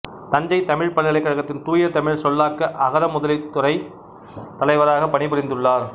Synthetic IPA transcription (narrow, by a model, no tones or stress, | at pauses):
t̪ɐɲd͡ʒɐɪt̪ɐmɪɻpɐɭːɪlɐɪkːɐɻɐɣɐt̪ːɪnt̪uːjɐt̪ɐmɪɻsɔlːaːkɐʔɐɣɐɾɐmʊðɐlɪt̪ːʊɾɐɪ | t̪ɐlɐɪʋɐɾaːɣɐpːɐɳɪpɪɾɪnd̪ɯɭːaːɾ